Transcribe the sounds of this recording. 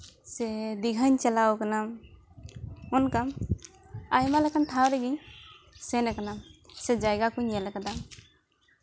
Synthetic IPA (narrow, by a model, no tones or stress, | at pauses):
sɛd̪iɡʱaɲt͡ʃalawkanam | ɔnkam | ajmalɛkant̪ʰawɾɛɡiɲ | sɛnakanamsɛd͡ʒajɡakuɲjalakad̪a